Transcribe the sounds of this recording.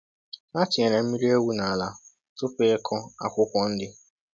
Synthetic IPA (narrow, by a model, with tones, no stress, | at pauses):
na˦tɪ˨e˨ne˨m̩˦mi˦ɾi˦e˦wu˦na˨a˨la˨ | tʊ˦pe˦e˦kʰɔ˦a̰˨kʷʊ˦kʷɔ˦n̩˦dɪ˦